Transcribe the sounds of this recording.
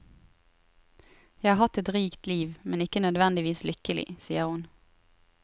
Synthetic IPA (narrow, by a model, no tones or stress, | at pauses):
jæhɑːhɑt̪ɛt̪ʁiːkt̪liːʋmɛnɪkənœd̪ʋɛnd̪ɪʋiːslʏkəlɪ̰siːəʁhʊn